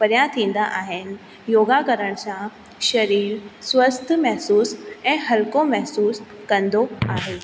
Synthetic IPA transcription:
pɐɾjat̪ʰĩːn̆d̪aʔaːɦɪnɪ̆ | joːɡakɐɾəɽ̃sã | ʃɐɾiːɾswʋɐst̪ʰmɛɦsuːsɛ̃ːɦɐlkomɛɦsuːskɐ̃nd̪oaːɦeː

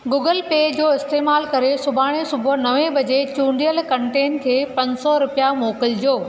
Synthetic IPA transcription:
ɡuːɡəlpeːd͡ʑoːɪst̪eːmaːlkɐɾesʊbʱaːɽ̃esʊbʱʊnɐʋẽbɐd͡ʑet͡ɕũːɳɖijəlkɐ̃ɳʈeːnkʰeːpɐ̃ɲd͡ʑsɔɾʊpijamoːkɪld͡ʑoː

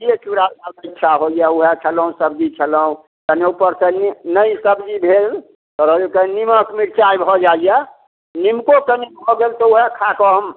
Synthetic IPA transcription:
ijet͡ʃuɾasaətːʃʰaɦoijauɦet͡ʃʰələũsəbd͡ʒit͡ʃʰələũ | kəneupəɾsənnəisəbd͡ʒibʱel | t̪ɔɾod͡ʒukəniməkmiɾt͡ʃaibʱɔd͡ʒaja | nimkokənebʱɔɡelt̪ɔuɦekʰakɔm

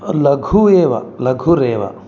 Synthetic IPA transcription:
lɐɡʱueʋa̰lɐɡʱuɾeʋa̰

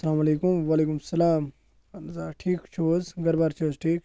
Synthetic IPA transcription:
sɐlaːmɐleːkumʋaːleːkumsɐlaːm | lzaːʈʰiːkt͡ʃʰoːzɡɐɾbaːɾt͡ʃʰoːzʈʰiːk

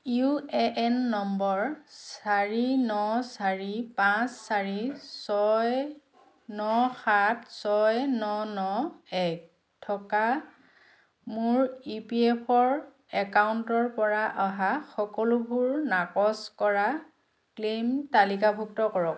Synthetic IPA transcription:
juɛʔɛnːɔmbɔɹsaɹinɔsaɹipãsːaɹisɔj | nɔxatʰsɔjnɔnɔɛk̚ | tʰɔka | mʊɹipiɛpʰɔɹ | ɛkawuntɔɹpɔɹaʔaɦaxɔkɔlubʱuɹnakɔskɔɹa | klemtalikabʱuk̚tɔkɔɹɔk̚

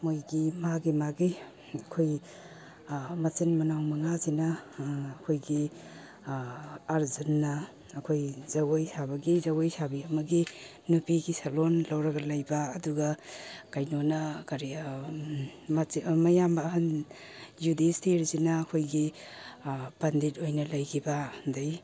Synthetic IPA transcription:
mojɡimaɡimaɡi | ɐkʰoj | mɐt͡ʃinmɐnawmɐŋazinɐː | kʰojɡi | aɾzenːɐː | kʰojzɐwojsabɐɡizɐwojsabiɐmɐɡi | nupiɡisalonlɐwɾɐɡɐlɐjbaːduɡɐkajnonɐkaɾi | mɐjambɐːhan | judistʰeɾzinɐːkʰojɡi | bɐndit̚ojnɐlɐjɡʰibandaj

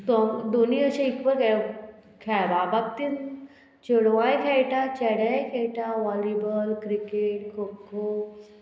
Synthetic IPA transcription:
t̪ɔd̪oniəɕãikbəɾka | kʰababap̚t̪in | t͡ɕəɽʋãjkʰɛjʈat͡ɕɛɽajkʰɛjʈaʋalɾibəlkɾikeʈkʰokʰo

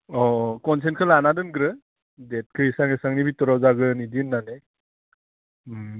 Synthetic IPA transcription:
ɔkɔns̬enkʰɯlanadɯnɡɾɯ | det̚kʰɯisaŋesaŋnibitɔɾawzaɡɯnidinːanɯ

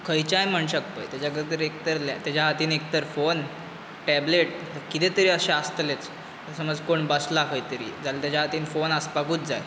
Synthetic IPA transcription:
kʰəjt͡ɕajm̤əɳɕək̚pə̰jt̪jat͡ɕaɡəɾt̪əɾek̚t̪əɾla̰t̪jad͡ʑaɦat̪iːnek̚t̪əɾfon | ʈɛbleʈ̚ | kit̪ẽt̪əɾiːəɕeast̪let͡s | əsəməd͡zkoɳbəslakʰəjt̪əɾḭːd͡zalat̪jat͡ɕjaɦat̪iːnfonəspakuːt͡sd͡za̰j

